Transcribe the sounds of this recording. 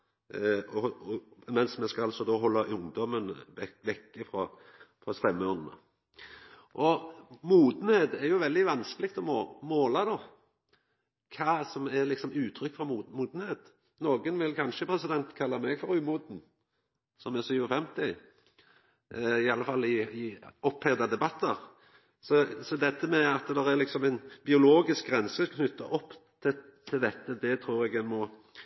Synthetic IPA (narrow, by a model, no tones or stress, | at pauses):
ɔ | mɛnsmɛskɑɑlsɔd̪oːɦɔlːɑʔʊŋd̪ɔmənɛʋɛkːəfɾɔ | fɾɔst̪ɛmːəɔnd̪ənə̰ | ʔɔmuːd̪n̩heːt̪ɛɾjʊʋɛld̪ɪʋɑnskəlɪk̚t̪ɔmomoːlɑd̪oː | kʰɑːsɔmɛʁlɪksɔmʉːt̪ʰɾʏkːfɔmuːmuːd̪n̩heːt̪ | noːɡənʋɪlkʰɑnʃəpʰɾɛsɪd̪ɛnt̪kʰɑlːɑmɛɡfɔɾʉːmuːd̪n̩ | sɔmɛsyːʋəfɛmt̪ɪ | ɪɑlːəfɑlːɪɪɔphɛd̪ɑd̪ɛbɑt̪ːəɾ | sɔsɔd̪ɛt̪ːəmɛɑt̪d̪ɛʁæɾlɪksɔmæɪnbɪʊloːɡɪsk̚ɡʁɛnsəkʰnʏt̪ʰːə̰ʔɔpːt̪ʰɪt̪ʰːɪld̪ɛt̪ːəd̪ɛt̪ʰɾuːɾɛɡɛmɔ